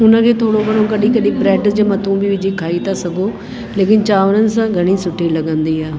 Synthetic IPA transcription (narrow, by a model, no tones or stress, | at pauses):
ʊnãːkʰeːt̪ʰoːɽoːkəɽ̃õːkəɗiːkəɗiːpɾɛːʈd͡ʒamət̪ũːbʱiːʋɪd͡ʒiːkʰaːiːt̪aːsəɡõː | leːkɪnt͡ʃaːʋnənsãːɡʱəɽ̃iːsʊʈʰːiːləɡãːnd̪iːaː